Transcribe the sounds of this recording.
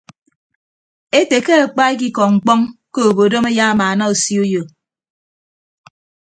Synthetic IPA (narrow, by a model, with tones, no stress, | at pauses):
e˦te˨ke˦a˨k͡pa˦e˦k̬i˦kɔ˨ŋ͡m̩˨k͡pɔ˦ŋko˦o˨bo˨do˦me˦ja˦a˦maː˨na˦o˨si˦o˦jo˨